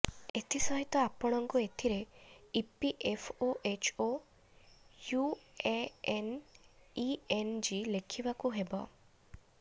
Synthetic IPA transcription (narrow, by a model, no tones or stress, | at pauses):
et̪ʰisɔɦit̪ɔapɔɽ̃ɔŋkuet̪ʰiɾeipiʔepʰoʔet͡ʃʰo | jueen | iend͡ʒilekʰibakuɦebɔ̰